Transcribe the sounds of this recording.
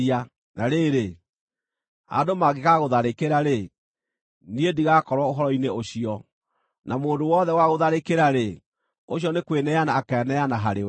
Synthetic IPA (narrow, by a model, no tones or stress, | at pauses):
a | naɾeːɾe | a̰domaɣekaɣoðaɾekeɾaɾe | niediɣakɔɾwaoɦɔɾɔineoɕiɔ | namoːndowɔðɛwaɣoðaɾekeɾaɾe | oɕiɔnekwenɛanaːkɛnɛanaɦaɾewɛ